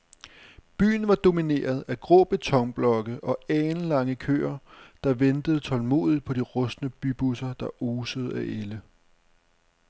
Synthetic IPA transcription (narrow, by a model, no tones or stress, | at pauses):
b̥y̰ːn̩ʋɑ̈d̥o̝mine̝̰ːɐðˠæɡ̥ʁɔ̰ːb̥e̝t͡sʰɒ̽ŋb̥lɒ̽ɡ̥əʔɒ̽ɛːnlɑ̈ŋəkʰø̰ːɐd̥ɑ̈ʋend̥əð̩ˠt͡sʰɒ̽lmo̝̰ːðˠið̥ˠpʰɒ̽d̥iʁɔ̽snəb̥yb̥usɐd̥ɑ̈ʔoːsəð̞̩ˠæʔelə